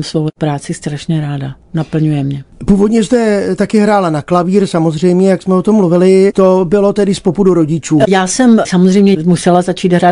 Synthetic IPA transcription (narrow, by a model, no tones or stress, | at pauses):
msvowpɾaːt͡sɪst̪ɾaʃɲɛɾaːda | napl̩ɲujɛmɲɛpuːvo̞d̪ɲɛsd̪ɛt̪akɪɦɾaːlanaklaviːɾsamo̞zr̝ɛjmɲɛjaksmɛot̪omːluvɪlɪt̪obɪlo̞t̪ɛdɪspopuduɾo̞ɟɪt͡ʃuːjaːsɛmsamozr̝ɛjmɲɛmusɛlazat͡ʃiːd̪ɦɾaː